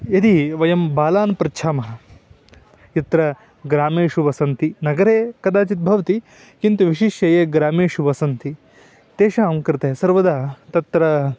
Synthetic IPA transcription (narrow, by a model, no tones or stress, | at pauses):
ɐd̪iʋɐjɐmbaːlaːnpɾɐt͡ʃʰaːmɐɦɐ̆ | jit̪ɾɐ | ɡɾaːmeːʂuʋɐsɐnt̪inɐɡɐɾeːkɐd̪aːt͡ʃit̪̚bʱɐʋɐt̪i | kint̪uʋiʃiʃjɐjeːɡɾaːmeːʂuʋɐsɐnt̪i | t̪eːʃaɐmkɾɪt̪eɦɐsɐɾʋɐd̪at̪ɐt̪ɾɐ